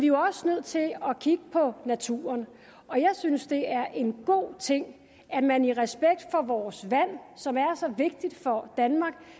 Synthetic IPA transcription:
ʋijoɒ̽sənøð̞̰ˠt͡sʰe̝lɒ̽kʰiɡ̥əpʰɒ̽næt͡sʰṵːɐn | ɒ̽jɑ̈ɪsynsd̥e̝æɐʔe̝nɡ̥o̝̰ːt͡sʰe̝ŋ̰ | æd̥mæniʁɛsb̥eɡ̥̚d̥fɒ̽ʋɒːsʋæn̰sɒ̽mæɐsɒ̽ʋe̝ɡ̥̚d̥id̥fɒ̽d̥ænmɑ̈ɡ̥̚

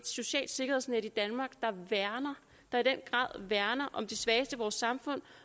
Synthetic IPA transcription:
so̝ɕɛ̰ːld̥se̝ɡ̥ɐhḛsnedid̥ænmɑ̈ːɡ̥d̥ɑ̈ʋæɐnɐ | d̥ɑ̈id̥en̰ɡ̥ʁɑ̰̈ːð̰ˠʋæɐnɐʔɒ̽md̥e̝sʋɛːsd̥əʋɒːsːɑ̈mfɔ̽n̰

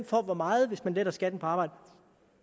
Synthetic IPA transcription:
n̰fɒ̰ːʋɒmɑ̈ːð̞̩ˠʋe̝smænled̥ɐsɡ̥æd̥n̩pʰɒɑ̈ːb̥ɑ̈ɪ̰d̥ə

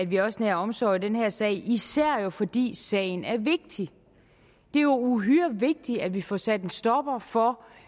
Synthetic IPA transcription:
æd̥ʋiɒ̽səneɐɒ̽msɒ̰ːd̥enheɐ̰sɛ̰ɪisæɐ̰jo̝fɒ̽d̥ḭːsɛ̰ːɪn̩æɐʋe̝ɡ̥̚d̥i | d̥e̝ɐjo̝uɦyɐʋe̝ɡ̥̚d̥iæd̥ʋifɒsæd̥ensd̥ɒ̽b̥ɐfɒ̽

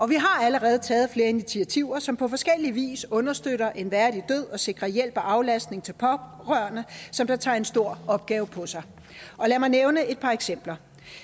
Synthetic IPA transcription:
ʔɒ̽ʋiɦɑ̈æləʁɛːð̞̩ˠt͡sʰɛːð̞̩ˠfle̝ːɐinit͡sʰiæt͡sʰiʊɐsɒ̽mpʰɒ̽fɒ̽sɡ̥el̰iʋḭːsɔ̽nɐsd̥øɾɐʔe̝nʋæɐd̥id̥øð̰ˠɒ̽se̝ɡ̥ʁɐjel̰b̥ɒʔɑ̈ʊlæsd̥̚ne̝ŋt͡sʰe̝lpʰɒ̽ʁɶɐnəsɒ̽md̥ɑ̈t͡sʰɑ̈ːe̝nsd̥o̝ɐ̰ɒ̽b̥̚ɡ̥ɛːʊpʰɒ̽sɑ̈ɪ | ʔɒ̽læɐmɑɪneʊnəe̝d̥̚pʰɑ̈eɡ̥sem̰b̥lɐ

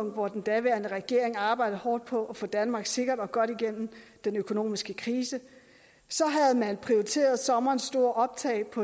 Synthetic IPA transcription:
ŋ̰d̥ʋɒd̥end̥æʋæɐnəʁɛɡ̥e̝ɐ̰eŋɑ̈ːb̥ɑ̈ɪdð̩ˠhɒːd̥̚pʰɒ̽ʔɒfɔ̰̽ːd̥ænmɑ̈ːɡ̥se̝ɡ̥ɐd̥ɒ̽ɡ̥ɒ̽ɾ̥iɡ̥en̰m̩d̥enøkʰo̝no̝̰ːmisɡ̥əkʰʁiːsə | sɒ̽ɦæðˠmæne̝pʰʁioit͡sʰe̝̰ːɐð̩ˠsɒ̽mɐːnsd̥o̝ɐ̰ʔɒ̽b̥t͡sʰɛ̰ɪpʰɒ̽

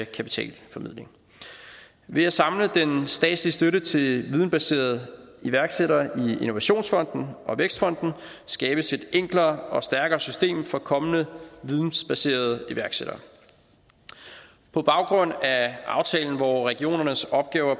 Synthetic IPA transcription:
kʰæpi̥t͡sʰɛ̰ːlfɒ̽mið̰ˠle̝ŋ | ʋe̝æsɑ̈mləd̥ensd̥ɛ̰ːd̥slisd̥øɾət͡sʰe̝lʋið̞ˠn̩b̥æse̝̰ːɐð̞̩ˠəiʋæɐɡ̥seɾɐie̝no̝ʋæɕo̝̰ːnsfɒ̽n̰d̥n̩ʔɒ̽ʋeɡ̥sd̥fɒ̽n̰d̥n̩sɡ̥ɛːb̥əse̝d̥eŋ̰ɡ̥lɐːɒ̽sd̥æɐɡ̥ɐːsysd̥e̝̰ːmfɒ̽kʰɒ̽mənəʋiðˠn̩sb̥æse̝̰ːɐð̞̩ˠəiʋæɐɡ̥seɾ̥ɐː | pʰɒ̽b̥ɑ̈ʊɡ̥ʁɔ̽n̰æʔɑ̈ʊt͡sʰɛ̰ːln̩ʋɒʁɛɡ̥io̝̰ːnɐnəsɒ̽b̥̚ɡ̥ɛːʊɐ

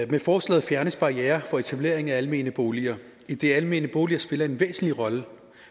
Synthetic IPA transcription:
mefɒːslɛ̰ːð̩ˠfjæɐnəsb̥ɑ̈ijɛːɐfɒ̽e̝t͡sʰæb̥le̝̰ɐ̰e̝ŋæælme̝̰ːnəb̥o̝ːliɐ | id̥e̝ælme̝ːnəb̥o̝ːliɐsb̥e̝lɐe̝nʋḛːsn̩liʁɒ̽lə

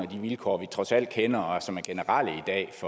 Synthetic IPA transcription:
æd̥iʋilkʰɒ̰ːʋit͡sʰʁɒ̽sæl̰d̥kʰenɐɒsɒ̽mæɐɡ̥e̝nəʁɑ̈l̰əid̥ɛ̰ːfɒ̽

